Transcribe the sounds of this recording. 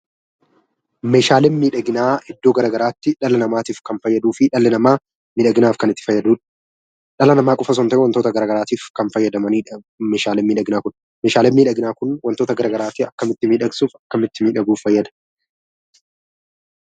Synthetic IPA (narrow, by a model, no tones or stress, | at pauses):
meːʃaːlɛmniːᶑɐɡɪnaːʔɛd̪ːo̞ːɡɐɾɐːɡɐɾaːt̪ːɪᶑɐlɐnɐmaːt̪iːfkɐnfɐjːɐd̪uːfɪᶑɐlɐnɐmaː | nɪᶑɐɡɪnaːfkɐnɪt̪ːɪ̥fɐjːɐd̪uːᶑɐ̥ | ᶑɐlɐnɐmaːkʼɔfɐs̬ɔnt̪ɐʔɛwɐnt̪oːt̪ɐɡɐɾɐɡɐɾaːt̪iːfkɐnfɐjːɐd̪ɐmɐniːᶑɐ | meːʃaːlɛmːɪᶑɐɡɪnaːkʊn | meːʃaːlɛmniːᶑɐɡɪnaːkʊnwɐnt̪o̞ːt̪ɐɡɐɾɐɡɐɾaːt̪ɪɐkːɐmɪt̪ːɪmiːᶑɐɡsuːfɐkːɐmɪt̪ːɪmiːᶑɐɡuːfːɐjːɐd̪ɐ̥